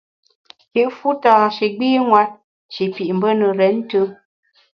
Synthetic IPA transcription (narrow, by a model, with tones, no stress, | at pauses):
ki˦ʔfu˦taː˨ʃi˨ɡ͡biː˦ŋwa˦t̚ | ʃi˨pi˨ʔm̩˨bə˦nə˨ɾɛ˨˦n˦tə˦